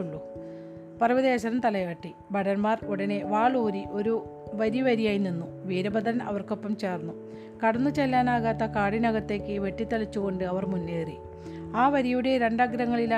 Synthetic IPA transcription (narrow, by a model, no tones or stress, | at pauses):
uɭːu | pɐrɐʋɐðeːɕɐɾɐmt̪ɐlɐjaːʈːi | bɐɽɐnmaːruɽɐne̞ʋaːɭuːɾiʔo̞ɾu | ʋɐɾiʋɐɾijaːjininːuʋiːɾɐbɐd̪ɐɾɐnɐ̰ʋɐrko̞pːɐmt͡ɕe̞ːrnːu | kɐɽɐnːut͡ɕelːaːnaːɣaːt̪ːɐkaːɽinɐɣɐt̪ːe̞ːkːɨʋe̞ʈːit̪ːɐlit͡ɕːuɣo̞ɳɖɨɐʋɐrmunːeːrḭ | aːʋɐɾijuɽe̞ɾe̞ɳɖaːɡɾɐŋːɐɭil